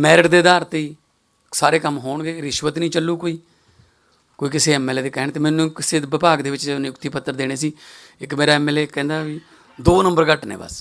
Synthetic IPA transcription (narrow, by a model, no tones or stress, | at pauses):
mɛːɾɪʈd̪eːd̪aːɾt̪iː | saːɾeːkəmɦoːɳɡeːɾɪʃʋət̪nĩːt͡ʃəlːuːkoːiː | koːiːk̬ɪseːɛmɛːleːeːkɛɦɳ̃t̪eːmɛ̃ːnũːkɪseːʋɪpaːɡd̪eːʋɪt͡ʃenjʊkt̪iːpət̪ːəɾd̪eːɽ̃eːsiː | ɪkmeːɾaːɛːmɛːleːkɛ̃ːnd̪aːʋiː | d̪oːnəmbəɾkəʈnḛːbə̰s